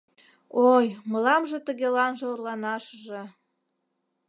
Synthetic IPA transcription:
ojməlɑmʒĕt̪əɣelɑnʒĕorlɑnɑʃəʒĕ

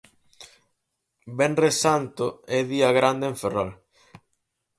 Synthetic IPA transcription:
bɛnresant̪oɛðiaɣɾand̪eeɱferal

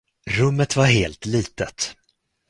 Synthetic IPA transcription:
ɾɵmːət̪vaɾɦeːlt̪liːt̪ət̪

